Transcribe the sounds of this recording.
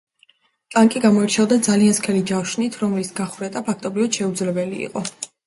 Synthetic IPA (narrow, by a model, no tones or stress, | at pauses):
t̪ʼaŋkʼiɡamɔɛɾt͡ʃʰɛvd̪ad̪zalianskʰɛlid͡ʒawʃnit̪ʰɾɔmlisɡaχuɾɛt̪ʼapʰak̚ʰt̪ʼɔbɾivad̪̥ʃɛud̪zlɛbɛlḭːqʼɔ